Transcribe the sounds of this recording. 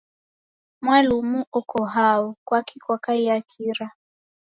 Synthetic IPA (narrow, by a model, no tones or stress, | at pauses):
mwalumuʔɔkɔɦaɔkwakikwakaiakʰiɾa